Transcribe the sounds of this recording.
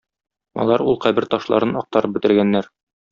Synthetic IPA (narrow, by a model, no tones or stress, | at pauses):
ɒ̰lˠɑɾulˠqæbɘɾt̪ɒʃlˠɑ̰ɾɤnɒq̚t̪ɑɾɤp̚bɘ̆t̪ɘ̆ɾɡænːæɾ